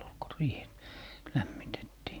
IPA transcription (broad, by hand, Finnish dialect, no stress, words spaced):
ol ko riːh læmːitetːiː